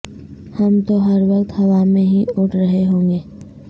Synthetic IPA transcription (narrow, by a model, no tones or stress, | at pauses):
həmt̪oɦɐɾʋɐqt̪hɐʋamẽɦiʊʈʰɾəɦeɦõːŋɡeː